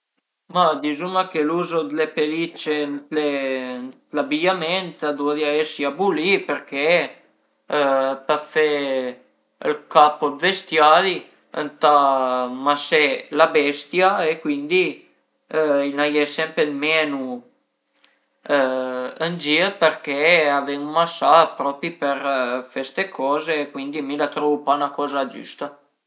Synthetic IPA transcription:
mad̪izumakɛluzɔd̪lɛpɛlit͡ʃɛnt̪lɛnt̪labijamɛnt̪ad̪uaðjaɛsiabulipəɾkɛ | pafɛ | əlkapɔd̪vɛst̪jali | ə̰nt̪amasɛlabɛst̪jaekwind̪i | ilnajɛsɛmpɾed̪mɛːnu | ənd͡ʒiəperkeavenumasːapɾɔːpɾipeɾfest̪ekʰɔːzeːkwind̪imilat̪ɾɔːvupanakɔːzad͡ʒṵst̪a

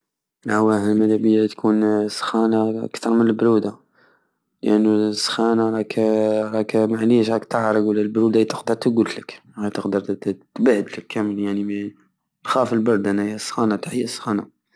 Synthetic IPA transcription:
ʕwæhəlmæd̪æbəjat̪kʰunsxænaə̰kt̪ɑɾˤmənəlbɾud̪a | ləʔənːusːxænaɾˤɑkɾˤɑkmaʕliʃhækt̪əʕɾˤəɡwəlːælbɾud̪ait̪əqd̪əɾˤt̪əɡut̪lək | æt̪əqd̪əɾˤt̪bʕəd̪ləkʰːæməljaʕni | lxæfəlbɑɾˤd̪ænæhjæsxɑnat̪aħəjːæsxɑna

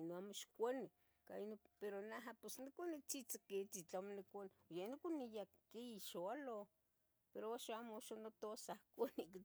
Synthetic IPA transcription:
noamoʃkʷani | kainopeɾonaɦaposnikʷanit͡sit͡saket͡sit͡ɬamonikʷanojanikʷunija | kiiʃoalo | peɾoaʃaamoaʃanot̪osahkʷaniki

